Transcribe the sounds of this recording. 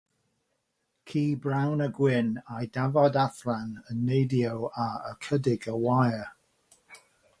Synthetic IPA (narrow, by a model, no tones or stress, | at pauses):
kʰiːbɹawnəɡwɪnajdavɔdaθlanənːejdiəwaəkʰədɪɡəwajə